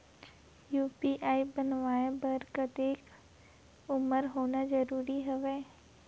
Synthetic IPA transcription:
juːpiʔaːibənʋaːẽbəɾkət̪eːk | ʊməɾɦoːnazəɾuːɾiɦəʋeː

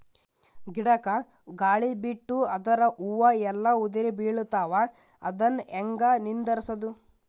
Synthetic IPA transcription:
ɡiɽɐkɐ | ɡaːɭibiʈːuɐd̪ɐɾɐʔuʋɐɛlːɐud̪iɾibiːɭut̪aːʋɐ | ɐ̰d̪ɐneŋɡɐnind̪ɐɾsɐd̪u

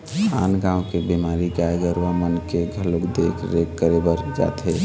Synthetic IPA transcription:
kʰanɡãwkebimaɾiɡaɡəɾʋəmənkeɡʱəlukd̪ekʰɾekːəɾebəɾd͡ʒa̰t̪ɦe

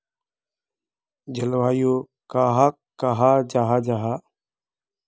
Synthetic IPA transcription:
d͡ʒəlʋaːjoː | kaːɦaː | kaːɦaːd͡ʒaːɦaːd͡ʒaːɦaː

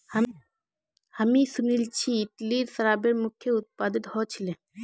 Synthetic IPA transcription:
h | həmisunilt͡ɕiːt̪liːɾsəɾaːbeɾmukʰjeut̪̚pad̪it̪hɔt͡ɕʰilẽ

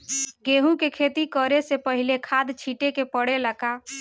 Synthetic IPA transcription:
ɡeɦũkekʰet̪ikəɾesepəɦilekʰad̪t͡ʃʰiʈekepəɽeləka

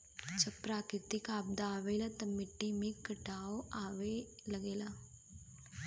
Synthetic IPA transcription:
t͡ʃɐpɾaːkɾɪt̪ɪkaːb̚d̪aːʋeːlat̪ɐmɪʈːimẽkːəʈaːoʔaːʋeləɡeːla

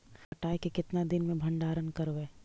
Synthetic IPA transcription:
fɐʈaːjkekɪt̪nad̪ɪnmẽbʱɐ̃ɳɖaːɾənkɐɾʋeː

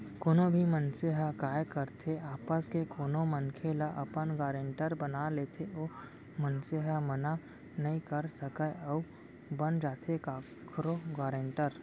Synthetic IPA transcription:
koːnobʱimənseɦakaːjkəɾt̪ʰeaːpəskekoːnomənkʰelaʔɐpənɡaːɾẽːɳʈəɾbənalet̪ʰeʔo | mənseɦaməna | nɐĩkəɾsəkəəʊ | bənd͡ʒaːt̪ʰekaː | kʰɾoɡaːɾeɳʈəɾ

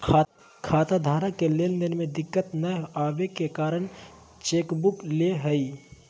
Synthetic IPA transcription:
kʰaːt̪ad̪ʱaːɾakeleːld̪ɪnmẽd̪ɪkːət̪nəaːʋekkekaːɾəɽ̃ | t͡ʃeːkbʊkleɦəi

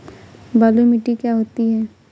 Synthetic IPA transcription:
baːlumɪʈikjaɦoːt̪iɦɛː

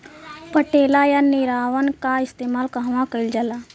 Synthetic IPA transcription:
pəʈeːlajaniɾaːʋənkaɪst̪eːmaːlkəɦʋãkəild͡ʒala

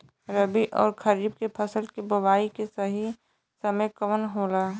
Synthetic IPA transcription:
ɾəbiʔɔːɾkʰɐɾiːbkepʰəsəlkibɐʋaːikesɐɦi | sɐməjkɐʋənɦoːlaː

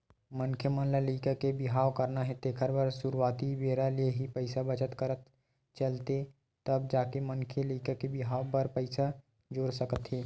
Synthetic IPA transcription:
mənkʰjəmə̃nlaliːkakebɪɦaːwkəɾnaɦɛt̪eːkʰəɾbəɾsuɾwaːt̪ibeːɾalieɦipəɪsabət͡ʃət̪kəɾət̪ | t͡ʃəlt̪e | t̪ɐb̚d͡ʒaːkemənkʰjəliːkakebɪɦaːwbəɾpəɪsa | d͡ʒoːɽsəkət̪ɦɛː

